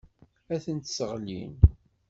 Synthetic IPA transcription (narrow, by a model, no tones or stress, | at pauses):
æθənt̪səʁlḭn